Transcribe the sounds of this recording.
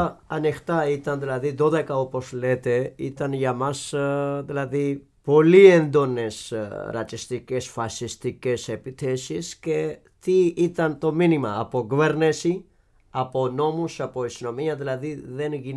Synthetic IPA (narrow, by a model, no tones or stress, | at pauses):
ɐnixt̪ɐit̪ɐnðilɐðiðo̞ðe̞kɐo̞po̞zle̞t̪e̞ḭt̪ɐnʝɐmɐsðilɐði | po̞liend̪o̞ne̞sɾɐ̰t͡s̪ist̪ice̞sfɐsist̪ice̞se̞piθesisce̞ | t̪iit̪ɐnt̪o̞minimɐːpo̞ɡuveɾnesi | ɐpo̞no̞musɐpo̞isino̞miɐðilɐðiðe̞nʝin